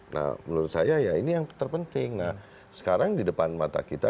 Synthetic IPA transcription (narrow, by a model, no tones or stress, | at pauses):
nʔa̰hbənuɾʊt̪̚sajajainijaŋt̪ərpənt̪ɪŋna | sə̥kaɾaŋdidəpanmat̪a̰kit̪a